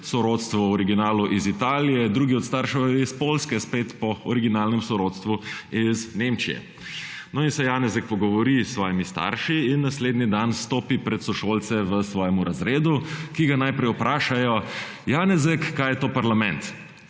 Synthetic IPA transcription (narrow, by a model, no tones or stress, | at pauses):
sɔɾoːt̪st̪ʋɔɔɾiɡinaːluʔizit̪aːlijɛd̪ɾuːɡiɔt̪st̪aɾʃɛispolskɛspeːt̪pɔɔɾiɡinaːlnɛmsɔɾoːt̪st̪ʋuiznemt͡ʃijɛ̰ | nɔinsɛjaːnɛzɛk̚pɔɡɔʋɔɾisʋɔːjimist̪a̰ɾʃiinːasleːd̪nid̪anst̪oːpipɾɛt̪sɔʃoːlt̪sɛʋəsʋɔːjɛmuɾʔazɾeːd̪ukiɡanajpɾɛjɔpɾaːʃajɔ | jaːnɛzɛkːaːjɛt̪oːpaɾlamɛ̃nt̪